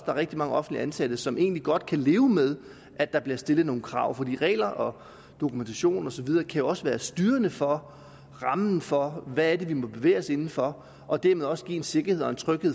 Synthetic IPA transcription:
d̥ɑ̈ʁeɡ̥d̥imɑ̈ŋəɒ̽fn̩dliænsæd̥əsɒ̽mʔe̝̰ːnliɡ̥ɒ̽d̥̚kʰæle̝ːʊmeð̞ˠ | ʔæ̥ɑ̈b̥liɐsd̥e̝lð̩ˠno̝ːn̩kʰʁɑ̈ʊ̰fɒd̥ḭːʁɛ̰ːlɐʔɒ̽ | d̥o̝kʰument͡sʰæɕo̝̰ːnɒ̽sɒ̽ʋið̞ˠɐːkʰæjo̝ɒ̽səʋæːɐsd̥yːɐnəfɒ̽ | ʁɑ̈mn̩fɒ̽ʋææɐde̝ʋimɒ̽b̥e̝ʋḛːɐse̝nn̩fɒ̽ | ʔɒ̽d̥æɐmeðˠɒ̽səɡ̥ḭːe̝nse̝ɡ̥ɐheð̰ˠɒ̽ent͡sʰʁœɡ̥he

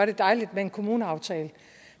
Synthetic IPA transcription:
ɐɾ̥e̝d̥ɑ̈ɪlid̥mee̝nkʰo̝muːnəɑ̈ʊt͡sʰɛːlə

